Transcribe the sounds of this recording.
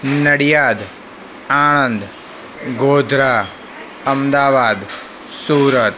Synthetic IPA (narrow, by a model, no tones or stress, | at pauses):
nɐɽijaːd̪ | aːnənd̪ | ɡoːd̪ʱɾaː | ɐmd̪aːʋaːd̪ | suːɾət̪